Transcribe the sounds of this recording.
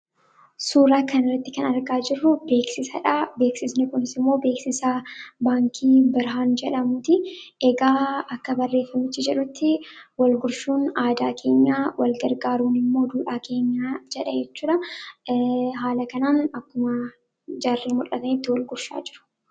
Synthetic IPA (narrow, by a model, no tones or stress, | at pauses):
suːɾaːkɐnɪrːɐt̪ːɪkɐnɐɾɡaːd͡ʒɪrːʊbe̞ːksɪsɐᶑabe̞ːksɪsnɪkʊnɪsɪmːo̞ːbe̞ːksɪsɐbaːŋkʰiːbɪɾɦaːnd͡ʒɛᶑɐmʊt̪ɪɛɡaːɐkːɐbɐrːe̞ːfːɐmɪt͡ʃːɪd͡ʒɛᶑʊt̪ːɪwɐlɡʊɾʃuːnaːd̪aːkʰe̞ːɲːaːwɐlɡɐɾɡaːɾuːnɪmːo̞ːd̪uːᶑaːkʰe̞ːɲːaːd͡ʒɛᶑɐd͡ʒɛt͡ʃːuːᶑɐ | ɦaːlɐkɐnaːnɐkːʊmɐ | d͡ʒaːrːeːmʊᶑɐt̪ɐnɪt̪ːɪwɐlɡʊɾʃa̰ːd͡ʒɪɾʊ̥